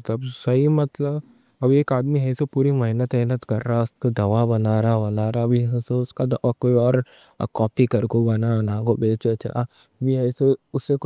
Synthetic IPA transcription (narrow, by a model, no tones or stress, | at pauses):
t̪ɐbsɐɦimɐt̪ləb | ɐbeːkaːd̪miɦɛsopuːɾimɐɦnət̪ɛɦnət̪kɐɾːaɦaʊskod̪ɐʋabɐnaːɾabɐnaːɾabiɦɛsoʊskad̪ɐʔakoɔːɾ̰ | kɔːpikɐɾkobɐnanãkobeːt͡ʃet͡ʃʰʔa | ʋiɦɛjsoʊsːek